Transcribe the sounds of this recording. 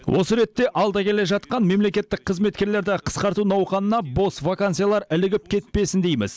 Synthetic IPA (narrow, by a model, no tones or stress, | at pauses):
wʔo̞̰səɾe̞t̪ːe̞ʔɑlˠd̪ɑkʲʰe̞le̞ʒɑt̪qɑnme̞mle̞kʲe̞t̪ːɪk̚qʰːəzme̞t̪̚kʲe̞ɾle̞ɾd̪ɪqʰə̥sqɑɾt̪unɑwqɑnənɑbo̞svakansɨjalˠɑɾɪlɪɡʲɪp̚kʲʰe̞t̪̚pe̞sɪnd̪e̞jmɪ̰z̥